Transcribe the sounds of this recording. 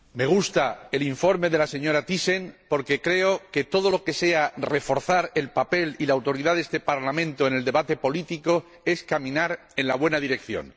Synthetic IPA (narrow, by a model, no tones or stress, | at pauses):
me̞ɣ̞ust̪ae̞liɱfo̞ɾme̞ðe̞lase̞ɲo̞ɾat̪ise̞ŋpo̞ɾke̞kɾe̞o̞ke̞t̪o̞ð̞o̞lo̞ke̞se̞are̞fo̞ɾθaɾe̞lpape̞lilaːwt̪o̞ɾiðaðest̪e̞paɾlamẽnt̪oeneld̪e̞βat̪e̞po̞lit̪iko̞ | e̞skamĩnaɾ | e̞nlaβwe̞naðiɾe̞kθjo̞̰n